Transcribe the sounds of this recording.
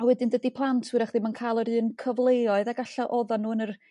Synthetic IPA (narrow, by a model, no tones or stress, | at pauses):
awɛdɪndədipʰlˠantʰwɨɾaχðɪmankʰaːlˠəɾɨːnkʰəvlˠeɔɨðaɡaɬaʔɔðanːuːənər